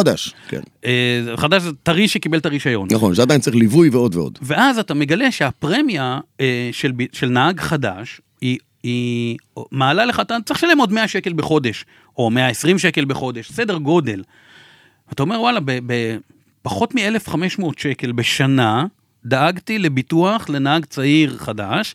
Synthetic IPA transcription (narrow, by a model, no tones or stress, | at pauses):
adaʃkʰḛneχadaʃ̬zetaʁiʃekibeltaʁiʃajo̞̰nnaχonʃead̪ajint͡saʁilivujveo̞dveo̰d̥ve̞ʔazatame̞ɡale̞ʃeapʁemjaeʃelbiʃe̞lnaaɡχadaʃ | i | i | maːlaleχat̪at͡sʁiʃale̞modme̞aʃe̞kelbeχo̞de̞ʃ | ʔo̞meaesʁimʃeke̞lbeχo̞de̞ʃse̞deʁɡo̞de̞l | aːtao̞me̞ʁwalabebe | paχo̞tmiele̞fχameʃmo̞ːtʃeke̞lbeʃana | d̪aaɡtile̞bituaχle̞naaɡt͡saiʁχadaʃ